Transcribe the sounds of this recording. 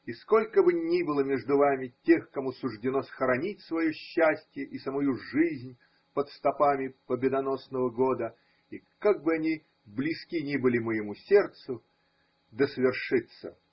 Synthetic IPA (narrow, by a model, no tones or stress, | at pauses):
isko̞lʲkəbɨnʲibɨlˠəmʲeʐd̪ʊvamʲɪtʲe̞xkɐmusʊʐdʲɪno̞səxəɾɐnʲit̚ʲsvɐjoɕːæsʲtʲjəʔisəmɐjuʐɨzʲnʲ | pət̪st̪ɐpamʲɪpəbʲɪd̪ɐno̞snəvəɡo̞d̪ə | i | kaɡ̚bɨɐnʲi | blʲɪskʲinʲibɨlʲɪməjɪmusʲe̞rt̪sʊ | d̪əsəvʲɪrʂɨt̪sə̰